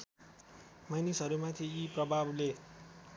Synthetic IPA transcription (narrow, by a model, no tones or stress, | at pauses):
majnisɦʌɾumat̪ʰiiprʌbʱable